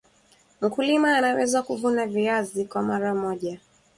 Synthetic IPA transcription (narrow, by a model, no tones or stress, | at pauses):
m̩kulimaːnawɛzakuvunaviazikwamaɾamɔʄa